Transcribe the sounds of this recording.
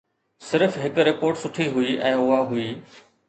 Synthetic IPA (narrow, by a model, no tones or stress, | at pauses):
sɪɾfɦɪkɾɪpoːɾʈsʊʈʰiɦʊiʔɛ̃ːʊɦaɦʊiː